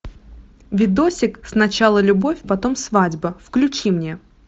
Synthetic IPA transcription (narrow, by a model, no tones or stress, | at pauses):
vʲɪd̪osʲɪksnɐt͡ɕalˠəlʲʊbo̞fʲpɐt̪o̞msvadʲbəfklʲʉt͡ɕimnʲe̞